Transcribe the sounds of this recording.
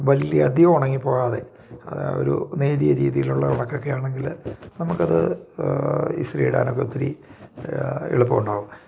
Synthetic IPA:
ʋɐlːijɐɐd̪jɐɐmuɳɐŋːipːo̞ːɣaːðe̞̰ | ɐ̰ð̰o̰ɾṵneːɾijɐɾḭːðijiluɭːɐuɳɐkːokːejaːɳe̞ŋɡilnɐmukːɐðɨ̰ | ḭsriːɽa̰ːnokːeot̪ːiɾḭ | ḛɭupːɨkuɳɖaːʋum

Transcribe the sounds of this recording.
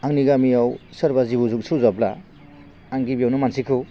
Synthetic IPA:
aŋniɡamijawsaɾbazibuzuksʰɯzabla | aŋɡibijawnumansikʰɯ

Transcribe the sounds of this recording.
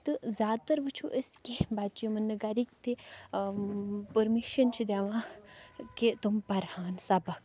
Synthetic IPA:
t̪ɨzʲjaːd̪̚t̪ɐɾʋɐt͡ʃʰuʔəskebaːt̪̚t͡ʃijmɐnːɐɡaɾik̚t̪i | pəɾmiʃɐnt͡ʃʰid̪aːʋãː | ket̪umpɐɾhaːnsabɐk

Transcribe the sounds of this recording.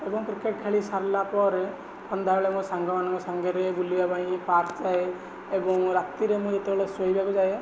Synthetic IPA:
ebɔŋkɾikeʈ̚kʰeɭisaɾlapɔɾ | kʰɔnd̪ʱaɾɭemũsaŋɡɔmanɔ̃ŋkɔsaŋɡeɾeɡuliabaɽ̃ĩpaɾd͡ʒae | ebɔŋɾat̪iɾemũd͡ʒet̪ɛɭesoibabɔd͡ʒae

